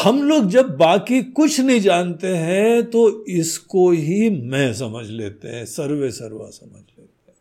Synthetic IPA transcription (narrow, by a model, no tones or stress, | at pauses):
hɐmloːɡ̚d͡ʒɐbːaːkikʊt͡ʃʰnɐɦĩd͡ʒaːnt̪eɦɛ̃t̪oɪskoɦimɛ̃s̬ɐməd͡ʒʱlḛːt̪ḛɦɛ̃sɐɾʋesɐɾʋa̰sɐməd͡ʒʱleːt̪eɦɛ̃